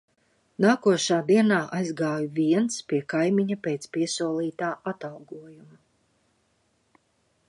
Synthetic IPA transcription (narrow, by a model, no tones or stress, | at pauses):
naːkuɔʃaːd̪iɛnaːʔajzɡaːjuvʲiɛnt̪spiɛkajmʲiɲapeːt̪spiɛsuɔlˠiːt̪aːʔat̪alˠɡuɔjumu